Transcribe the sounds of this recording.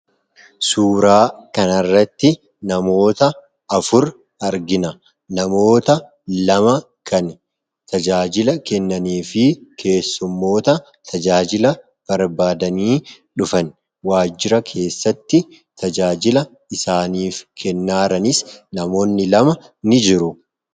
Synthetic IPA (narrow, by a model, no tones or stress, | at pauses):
suːɾaːkɐnɐrːɐt̪ːɪ | nɐmo̞ːt̪ɐ | ɐfʊɾ | ɐɾɡɪnɐ | nɐmo̞ːt̪ɐ | lɐmɐ | kʰɐn | t̪ɐd͡ʒaːd͡ʒɪlɐkɛnːɐniːfɪkʰe̞ːsːʊmːo̞ːt̪ɐ | t̪ʰɐd͡ʒaːd͡ʒɪlɐ | b̥ɐɾbaːd̪ɐniː | ᶑʊfɐn | waːd͡ʒɪɾɐkʰe̞ːsːɐt̪ːɪ | t̪ɐd͡ʒaːd͡ʒɪlɐ | ɪsaːniːfkʰɛnːaːɾɐnɪsnɐmo̞ːnːɪlɐmɐ | nɪd͡ʒɪɾʊ